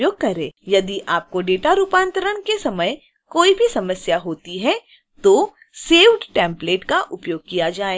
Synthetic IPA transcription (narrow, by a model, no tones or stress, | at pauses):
joːɡ̚kɐɾeːjɐd̪iʔaːp̚koɖeːʈaɾuːpãːnt̪əɾəɽ̃kesɐməj | koːibʱisɐməsjaɦoːt̪iɦɛ | t̪oː | seːʋʈʈɛ̃ːmpleːʈkaʔʊpjoːɡ̚kijad͡ʒaːe